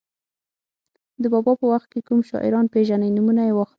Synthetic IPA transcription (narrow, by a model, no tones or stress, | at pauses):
d̪əbɑbɑpəwaxt̪̚kekumʃɑ̰ʔɪ̰ɾɑnpeʒanəjnumunajewɑx